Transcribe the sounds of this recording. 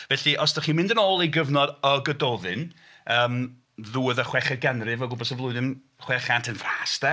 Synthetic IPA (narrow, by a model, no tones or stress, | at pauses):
vɛɬiʔɔsd̥aχiːmɪ̃ndənoːlˠejɡəvnɔdɔɡədɔðɨn | əːm | ðuːəðəχwɛχɛɡanrɨvɔɡʊbɔsɔvlˠʊɨðɪm | χwɛχantʰənvraːsdɛ